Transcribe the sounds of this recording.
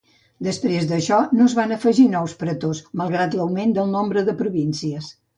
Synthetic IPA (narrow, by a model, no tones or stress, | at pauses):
d̪əspɾezðəʃɔnozβanəfəʒinɔwspɾət̪osməlˠɣɾat̪ləwmend̪əlˠnombɾəðəpɾuβinsiəs